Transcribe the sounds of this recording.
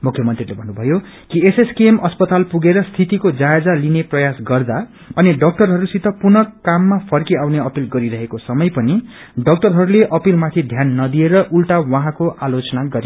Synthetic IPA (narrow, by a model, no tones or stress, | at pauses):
mukʰjʌmʌnt̪rilebʱʌnːubʱʌjo | kieseskiemʌspʌt̪alpuɡeɾʌst̪ʰit̪ikod͡zaed͡zalineprʌjasɡʌrd̪a | ʌniɖʌk̚ʈʌrɦʌɾusit̪ʰʌpunʌkːamːapʰʌrkiawneʌpilɡʌɾiɾʌɦekosʌmʌjpʌni | ɖʌk̚ʈʌrɦʌɾuleʔʌpilmat̪ʰid̪ʱjanːʌd̪ieɾʌʔulʈawʌɦãkoʔalot͡sʌnaɡʌɾi